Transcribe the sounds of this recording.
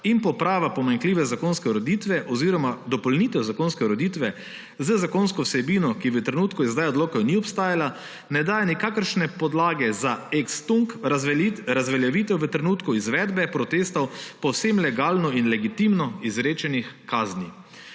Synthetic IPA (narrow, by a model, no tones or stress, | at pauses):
impɔpɾaːʋapɔmaŋkliːʋɛzakonskɛɾɔd̪iːt̪ʋɛʔɔziːɾɔmad̪ɔpɔlniːt̪ɛwzakonskɛɾɔd̪it̪ʋɛ | zəzakonskɔwsɛbiːnɔkiʋət̪ɾɛnuːt̪kuɛzd̪ajɔd̪loːkɔniɔpst̪aːjala | nɛd̪ajnikaːkəɾʃnɛpɔd̪laːɡɛzaekst̪uŋk | ɾazʋɛljaʋiːt̪ɛwʋət̪ɾɛnuːt̪kuizʋɛd̪bɛpɾɔt̪eːst̪ɔwpɔwsemlɛɡaːlnɔinlɛɡit̪imnɔizɾeːt͡ʃɛnixkaːzni